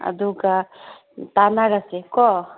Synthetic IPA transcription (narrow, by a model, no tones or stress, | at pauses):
ɐ̰d̪uka | t̪anaɡasɛkɔ